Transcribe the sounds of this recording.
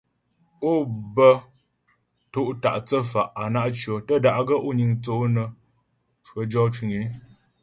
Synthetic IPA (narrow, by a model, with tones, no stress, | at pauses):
o˦˨bə˦ | to˦˨ʔta̰˨ʔt͡sə˦fa˨ʔa˨na˦ʔt͡ʃɰo˨tə˦da˨ʔɡə˦ʔo˦ɲi˨ŋt͡so˨˦nə˨ | t͡ʃwə˨˦d͡ʒɔ˦t͡ʃwi˨ŋe˨˦